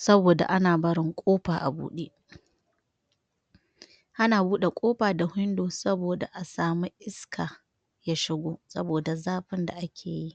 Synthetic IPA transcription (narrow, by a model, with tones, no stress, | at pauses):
sɐ˦boː˨da̰˨ʔa˦naː˨bɐ˦ɽɪ˦ŋkʷʼoː˦ɸaː˨ʔa˨bṵː˦ɗeː˦ʔ | ʔa˦naː˨buː˦ɗe˨kʷʼoː˦ɸaː˨da˨hʊ˦ndoː˨sɐ˦boː˨da˨ʔa˨saː˨mi˦ʔɪ˦skʰaː˨ | jaː˦ʃɪ˦ɡʷoː˦sɐ˦boː˨da˨zaː˦ɸɪ˦nda̰˨ʔa˦kʲʰeː˨ji˦ʔ